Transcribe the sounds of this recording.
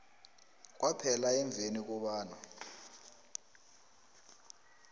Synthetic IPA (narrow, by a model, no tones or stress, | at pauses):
k̬ʼwapʰɛlaɛɱb̪vʱenik̬ʼuɓaːna